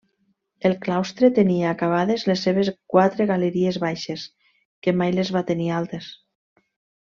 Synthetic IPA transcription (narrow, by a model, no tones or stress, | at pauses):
elˠklawst̪ɾet̪eniaːkaβ̞aðezlesːeβ̞ezkwat̪ɾeɣaleɾiezβajʃes | kemajlezβat̪enialˠt̪es